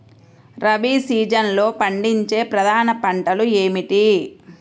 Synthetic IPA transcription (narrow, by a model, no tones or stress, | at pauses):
ɾɐbiːsiːd͡ʒɐnlo̞ːpɐɳɖiɲt͡ʃe̞ːpɾɐd̪ʱaːnɐpɐɳʈɐlue̞ːmiʈi